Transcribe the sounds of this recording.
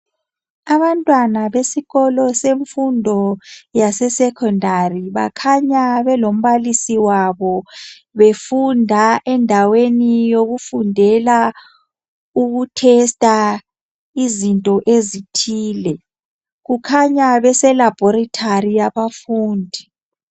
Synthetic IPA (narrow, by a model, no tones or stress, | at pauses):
aβantʼwanaβesiɣɔlɔseɱfundʱɔjasɛsɛkʰɔndʱariβa̰kʰaɲaβɛlom̩βalisiwaβɔ | βefundʱaʔɛndʱawenijoɣufundʱɛla | uɣutʰɛstʼa | izintʼɔʔezitʰiːlɛ | ɣukʰaɲaβɛsɛlab̥ʱɔɾitʰarijaβafuːndʱi